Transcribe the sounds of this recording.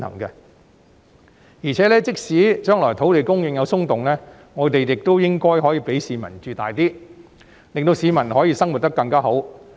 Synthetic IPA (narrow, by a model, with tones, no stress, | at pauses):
hɐ̰˨˩ŋkɛ˧ | jiː˨˩t͡sʰɛː˨˥lɛː˥t͡sɪ˥k̚siː˨˥t͡ʃœː˥ŋlɔː˨˩jt̪ʰo˨˥wt̪e˨jkʊ˥ŋjɪ˨˧ŋjɐ˨˧wsʊ˥ŋt̪ʊ˨ŋlɛː˥ | ŋɔː˨˧t̪e˨jjɪ˨k̚t̪o˥wjɪ˥ŋkɔː˥jɦɔː˨˥jiː˨˧pe˨˥jsiː˨˧mɐ̰˨˩nt͡ʃyː˨t̪a̰ː˨jt̪iː˥ | lɪ˨ŋt̪o˧wsiː˨˧mɐ˨˩nhɔː˨˥jiː˧sɐ˥ŋwu˨t̚t̪ɐ˥kːɐ˧ŋkaː˥ɦo˨˥w